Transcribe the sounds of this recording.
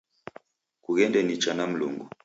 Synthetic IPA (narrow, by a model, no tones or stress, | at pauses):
kuɣɛndɛnit͡ʃanam̩lṵŋɡu